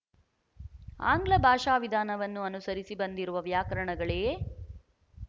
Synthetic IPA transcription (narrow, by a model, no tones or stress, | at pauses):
a̰ːŋɡlɐbʱaːʂaːʋid̪ʱaːnɐʋɐnːuɐnusɐɾisibɐnd̪iɾuʋɐʋjaːkɐɾɐɳɐɡɐɭe